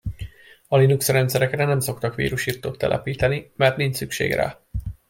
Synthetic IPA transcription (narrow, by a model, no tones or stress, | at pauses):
ɒlinuksrɛnt̪sɛɾɛkrɛnɛmso̞kt̪ɒkʋḭːɾuʃiːrt̪oːt̪ːɛ̰lʔɛ̰piːt̪ɛnimɛrt̪niɲt͡ʃsykʃḛːɡra̰ː